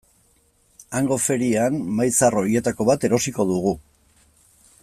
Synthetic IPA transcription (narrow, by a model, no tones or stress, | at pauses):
aŋɡo̞fe̞ɾianmajt͡saro̞ie̞t̪ako̞βat̪e̞ɾo̞siko̞ðuɣu